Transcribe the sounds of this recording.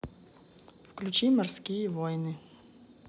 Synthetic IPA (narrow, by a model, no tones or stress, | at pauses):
fklʲut͡ʃimɐrsʲkʲijɛʋɔjnɨ